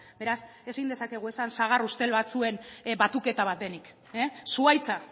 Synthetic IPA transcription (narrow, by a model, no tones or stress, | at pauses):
be̞ɾas | e̞sind̪esake̞ɣ̞ue̞sansaɣ̞arust̪e̞lβat͡sue̞nbat̪uke̞t̪aβat̪̚d̪enik | esuajt͡sa